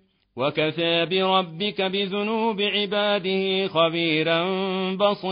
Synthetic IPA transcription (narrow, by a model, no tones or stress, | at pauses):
wakaθaːbɪɾˤɑbːɪkabɪðʊnuːbɪʕɪbaːd̪ɪhɪxabiːɾanbɑsˤi